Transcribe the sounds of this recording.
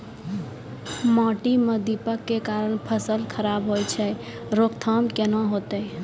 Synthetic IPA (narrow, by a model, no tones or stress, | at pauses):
mɔ̃ʈiməd̪ipəkːekaɾəɳ̃pʰəsəlkʰəɾabɦojt͡ʃʰɛ | ɾokt̪ʰəmkenõɦot̪ə